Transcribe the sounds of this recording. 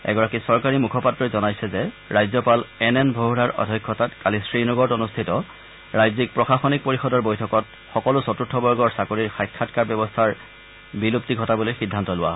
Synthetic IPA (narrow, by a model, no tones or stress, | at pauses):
ɛ̰ɡɔɹakisɔɹkaɹimukʰɔpatːɹɔjzɔnajsɛzɛ | ɹajzɔpalɛnɛnbʱoɦɹaɹʔɔ̰dʱɔkʰːɔtatkalisɹinɔɡɔɹtonustʰitɔ | ɹajzik̚pɹɔxaxɔnik̚poɹixɔdɔɹbojtʰɔkɔt | xɔkɔlʊsɔtutʰːɔbɔɹɡɔɹsakoɹiɹxajkʰːatkaɹbjɔbɔstʰaɹ | bilup̚tiɡʱɔtabulojxidʱːantɔlʊwa̰ɦɔ